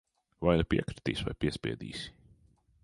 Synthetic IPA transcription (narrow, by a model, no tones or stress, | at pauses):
vajnupʲiɛkɾi̥t̪iːsva̰jpʲiɛspʲḭɛd̪ḭːs